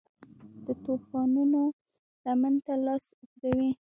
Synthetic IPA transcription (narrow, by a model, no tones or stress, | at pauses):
d̪̥ət̪opɑnuno | lamant̪alɑsuɡɾawi